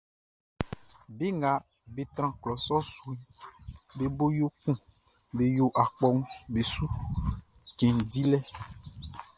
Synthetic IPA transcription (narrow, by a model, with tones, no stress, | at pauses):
be˦ŋa˨ | be˨t̪ɾ̃ã˦˨klɔ˨sɔ˦su˨i˦be˨bo˦jo˦kũ˦˨ | be˨jo˦ʔa˨k͡pɔ˦ŋũ˦be˨su˦ | cẽ˨di˦lɛ˦